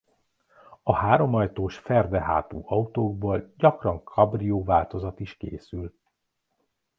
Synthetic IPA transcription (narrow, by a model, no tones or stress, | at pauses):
ɒhaːɾo̞mɒjt̪oːʃfɛrd̪ɛɦa̰ːt̪ṵːʔɒut̪oːɡ̚boːlɟɒkrɒŋkʰɒbrijoːvaːlt̪o̞zɒt̪iʃkḛːsyl